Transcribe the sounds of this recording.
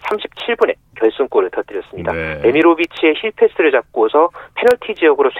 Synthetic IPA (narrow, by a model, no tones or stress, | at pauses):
sʰamɕʰi̥p̚t͡ɕʰiɭbune̞kjʌɭs͈unk͈oɾɯɭtʌt͈ɯɾjʌs͈ɯmɲida̰ne̞miɾobit͡ɕʰie̞çʰiɭpʰe̞s͈ʰɯɾɯɭt͡ɕap̚k͈osʰʌpʰe̞nʌɭtʰid͡ʑiʌɡɯɾosʰ